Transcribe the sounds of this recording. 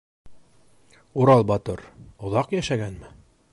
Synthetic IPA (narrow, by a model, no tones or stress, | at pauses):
uɾɑlˠbɑt̪oɾŏðɑqjæʃæɡænmɘ